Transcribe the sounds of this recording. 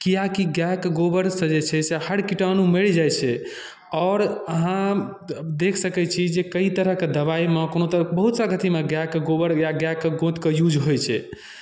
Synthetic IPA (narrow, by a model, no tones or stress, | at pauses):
kijakiɡjakɡobəɾsə̃d͡ʒet͡ʃʰɛsehəɽkiʈanumeɭd͡ʒajt͡ʃʰɛ | ɔːɾəɦã | d̪ekʰsəkɛt͡ʃʰid͡ʒekəit̪əɾəɦked̪əβaimekonot̪əəbəɦut̪saɡət̪ʰimeɡakːɡobəɾɡaɡjakːeɡõt̪kəjud͡ʒɦojt͡ʃʰɛ